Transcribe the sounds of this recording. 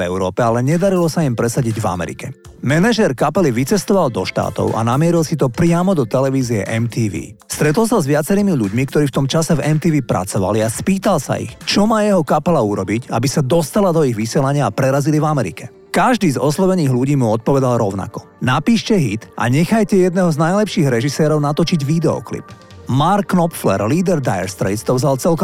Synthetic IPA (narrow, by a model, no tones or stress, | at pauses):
ɛ̰ʊɾɔːpɛalɛɲɛd̪aɾilɔsaimpɾɛsaɟiɟva̰mɛ̰ɾḭkɛ | mɛnaʒɛɾkapɛliʋit͡sɛst̪ɔʋalˠd̪ɔʃt̪a̰ːt̪ɔ̰ʊʔa̰namɪɛɾilsit̪̬ɔpɾɪamɔd̪ɔt̪ɛlɛʋiːziɛ̰ʔɛmt̪iːʋḭːst̪ɾɛt̪l̩ˠsazʋɪat͡sɛɾiːmiʎuɟmikt̪ɔɾiːft̪ɔmt͡ʃasɛvɛmt̪iːʋiːpɾa̰t͡sɔʋa̰liaspiːt̪alsa̰ḭxt͡ʃɔmaːjɛɦɔkapɛlauɾɔbica̰bisad̪ɔst̪alad̪ɔiɣʋisɪɛlaɲɪaːpɾɛɾazilivamɛɾḭkɛ | kaʒd̪iːzɔslɔʋɛniːɣʎuɟiːmuɔt̪̚pɔʋɛd̪alɾɔʊna̰kɔ̥ | napiːʃcɛɦit̪ʔa̰ɲɛxajcɛjɛd̪nɛɦɔznajlɛpʃiːɣɾɛʒisɛːɾɔʊnat̪ɔt͡ʃiɟʋid̪ɛɔ̰klḭp | maɾkːnɔpflɛ̰ɾliːd̪ɛɾd̪ajɛɾst̪ɾɛ̰ɪt̪t̪ɔvzalt͡sɛlkɔ